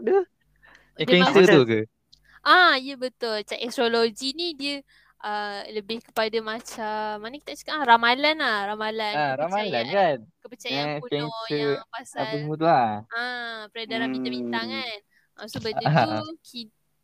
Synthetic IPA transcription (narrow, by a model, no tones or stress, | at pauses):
də | dikɛŋsət̪ukə | ʔaijəbət̪ʊlt͡ʃaʔɛsɾoloɡinidiə | ʔələbɪhkə̥padamat͡ʃamːanəki̥t̪at͡ʃḁkaaɾamalanlahɾamalaaɾamalankankəpət͡ʃajaukɛŋjəpasabəmut̪uaapəɾadaɾamit̪abint̪aŋan | ʔasobədəuki